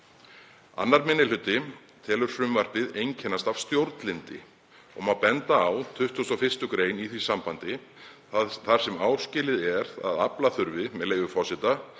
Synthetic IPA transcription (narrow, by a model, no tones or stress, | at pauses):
a̰nːaɾmɪnːɪl̥ʏt̪ːɪ | t̪ʰɛːlʏɾ̥fɾʏmvar̥pɪðejɲcʰɛnːast̪av̥st̪jowɾt̪lɪnt̪ɪ̰ | ɔmaðpɛnt̪aːwt̪ʰʏht̪ust̪ɔfɪr̥st̪ʏkɾeːjniθisampant̪ɪ | θaɾ̥sɛmaːwscɪlɪðɛɾa̰ðaplaθʏɾvɪmɛðleːjvʏfɔsɪt̪a